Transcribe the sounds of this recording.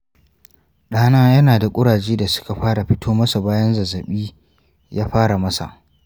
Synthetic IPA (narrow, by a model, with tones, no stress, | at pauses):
ɗaː˦naː˦jɐ˦naː˨da˨kʷʼʊ˦ɽaː˨d͡ʒeː˦da˨sʊ̥˦ka˨ɸaː˦ɽa˨ɸɪ˦tʰoː˦mɐ˦sa˨baː˦jɐ˦nzɐ˨zːɐ˨ɓiː˦ | jaː˦ɸaː˦ɽa˨mɐ˦sa̰˨ʔ